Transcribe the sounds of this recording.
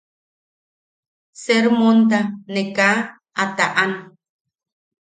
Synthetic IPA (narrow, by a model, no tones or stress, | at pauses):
seɾmont̪̬aneka | at̪aʔan